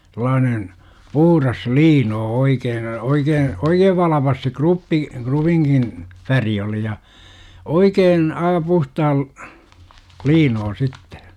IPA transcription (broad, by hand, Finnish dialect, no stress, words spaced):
sĕlˑɑːnen puhurɑs liːnoː oikeːn oikeːn oikeːʋ ʋɑlɑpɑs se krupːi krupiŋkin færi oli jɑ oikeːn ɑː puhtɑːl liːnoː sitːe̥